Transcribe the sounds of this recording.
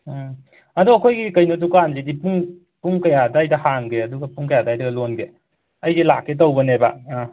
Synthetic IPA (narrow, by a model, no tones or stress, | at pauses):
ɐduɐkʰojɡikɐjnot̬ukanzidipuŋ | puŋkɐjadajdɐhaŋɡeɐduɡɐpuŋkɐjadajdɐɡɐlonɡe | ɐjdelakːet̬ɐwbɐneba̰